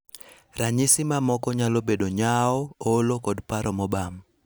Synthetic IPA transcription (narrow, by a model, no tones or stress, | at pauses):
raɲisɪmamɔkɔɲalobedoɲaɔolokɔdpaɾɔmɔbam